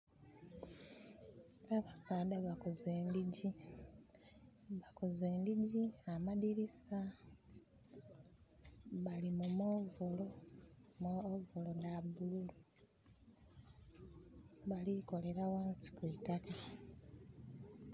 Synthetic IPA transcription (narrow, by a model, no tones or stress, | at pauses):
aβasaːdaβakozeːndiɟi | βakoze̞ːndiɟiamaðiɾisa | βalimumovolomovolonabululu | βaliko̞le̞ɾawaːnsi̥kwitaka